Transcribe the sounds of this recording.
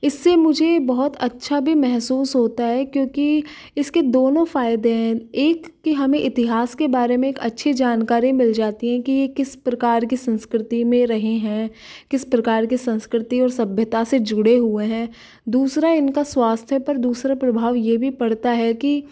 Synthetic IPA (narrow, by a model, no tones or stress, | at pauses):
ɪsːemʊd͡ʒʱebɐɦʊt̪ɐtːʃʰabʱimɛɦsuːsɦoːt̪aɦɛkjõːki | ɪsked̪oːnõfaːɪd̪eɦɛ̃eːkːiɦɐmẽʔɪt̪ɪɦaːskebaːɾemẽeːkɐ̰tːʃʰed͡ʒaːnkaːɾĩmɪld͡ʒaːt̪iɦɛ̃kijekɪspɾɐkaːɾkisɐ̃nskɾɪt̪imẽɾɐɦẽɦɛ̃ː | kɪspɾɐkaːɾkisɐ̃nskɾɪt̪iɔːɾsɐbʱjət̪ased͡ʒʊɽeɦueɦɛ̃ː | d̪uːsɾaɪnkaswaːst̪ʰjəpɐɾd̪uːsɾapɾɐbʱaːʋjebʱipɐɽt̪aɦɛki